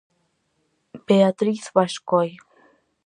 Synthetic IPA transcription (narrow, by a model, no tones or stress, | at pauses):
peat̪ɾiθβaʃkɔj